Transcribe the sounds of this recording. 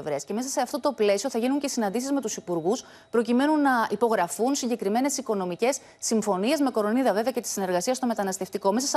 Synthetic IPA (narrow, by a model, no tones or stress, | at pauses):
vɾesce̞me̞s̬ɐse̞ɐft̪o̞t̪o̞ple̞sio̞θɐʝinuɲce̞sinɐnd̪isizmet̪usipuɾɣus | pɾo̞cime̞nunːɐipo̞ɣɾɐfunsiɲɟe̞kɾime̞ne̞siko̞no̞mice̞sːiɱfo̞nie̞zmeko̞ɾo̞niðɐve̞veɐce̞t̪i̥sine̞ɾɣɐsiɐst̪o̞me̞t̪ɐnɐst̪e̞ft̪iko̞mes̬ɐs